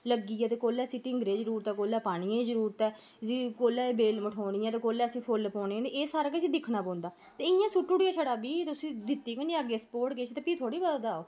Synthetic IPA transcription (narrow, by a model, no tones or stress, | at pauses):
ləɡiːɛ̃ːt̪̬eːkoːlɛːsiːʈɪŋɡɾeːzəɾuːɾt̪ɛːkoːlɛːpaːɽ̃iːẽːzəɾuːɾt̪ɛː | sĩːkoːlɛːbeːlməʈʰoːɽiːãːt̪eːkoːlɛːəsĩːpʰʊlpɔːneːneeːsaːɾaket͡ʃiːd̪ɪkʰːnaːpɔ̃ːnd̪aː | t̪eːɪjãːsuʈːuːɽijaːt͡ʃʰəɽaːbiːt̪ːʊsĩːd̪ɪt̪ːiːkəniaːɡeːsə̥poːʈkeːt͡ʃʰt̪eːpiːt̪ʰoːɽiːbəd̪ad̪aːoː